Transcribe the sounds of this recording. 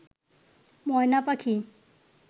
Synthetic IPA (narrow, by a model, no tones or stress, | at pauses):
mɔjnapakʰi